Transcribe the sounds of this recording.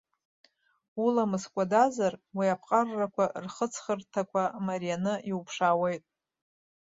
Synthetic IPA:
ulamɨskʷʼadazarwiapʰqʼarːakʷʰarχət͡sʰχərtʰakʷʰamaɾijanɨiupʰʂaːwe̞jtʼ

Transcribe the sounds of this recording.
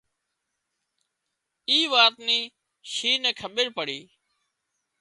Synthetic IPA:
iːʋaːt̪niː | ʃiːnɛ̃ːkʰəɓɪɾpəɽiː

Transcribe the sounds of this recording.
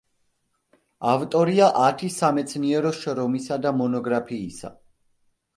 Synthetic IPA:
avt̪ʼɔɾiaʔat̪ʰisamɛt̪sʰniɛɾɔʃɾɔmisad̪amɔnɔɡɾapʰiːsa̰

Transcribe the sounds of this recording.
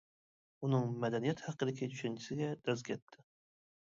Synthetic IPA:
unɨŋmæd̪ænijɛt̪hɑqːɨd̪ɪkʲʰɪt͡ʃ̪ʰy̥ʃant͡ʃʰɪsɪɡʲɛd̪̥ɒzkʲʰɛt̪ʰːɪ

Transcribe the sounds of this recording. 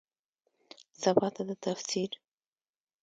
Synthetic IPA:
sabɑt̪ad̪ət̪afsiɾ

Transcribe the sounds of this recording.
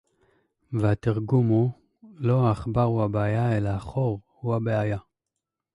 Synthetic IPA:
vehat̪iʁɡumu | lo̞aχbaʁuhabeajaelaːχoʁhuabeaja

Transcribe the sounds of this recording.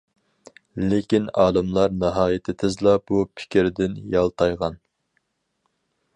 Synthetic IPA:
lekʲinɑːlɨmlˠɑɾnɨɦɑːjɪt̪ʰɪt̪ʰɪzlˠɑb̥upʰɪ̥kʲiɾɪd̪ɪnjɑlˠt̪ʰɑjʁɑn

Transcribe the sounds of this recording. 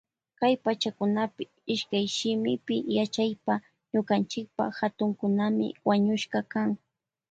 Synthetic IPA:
kajpat͡ʃakʊnapɪ | ɪʃkajʃɪmɪpɪjat͡ʃajpa | ɲʊkant͡ʃɪk̚pa̰hat̪ʊŋkʊnamɪ̰waɲʊʃkɑkaŋ

